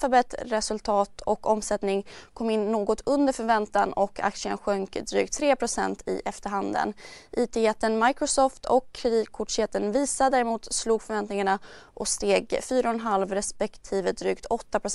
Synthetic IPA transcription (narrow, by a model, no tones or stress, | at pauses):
fabɛt̪ɾɛsɵlt̪ʰɑːt̪ʰɔkɔmsɛt̪nɪŋkʰɔmːɪnːoːɡɔt̪ʰɵnd̪əɾfœɾvɛnt̪anɔkʰa̰kt̪sɪə̰nɧœŋkd̪ɾy̰ːkt̪ʰːɾeːpʰɾʊsɛ̰nt̪ʰɪ̰ʔɛft̪əɾɦand̪ə̰nʔiːt̪ʰeːjɛt̪ːənmajkɾʊsoːft̪ʰɔkʰːɾɪd̪iːkʰʊʈʂjɛt̪ːənviːsad̪æːɾɛmuːt̪sluːɡfœɾvɛnt̪nɪŋaɳaʔɔst̪eːɡfyːɾanɦalvɾɛspɛkt̪ʰiːvəd̪ɾyːkt̪ʰɔt̪ːapʰɾʊ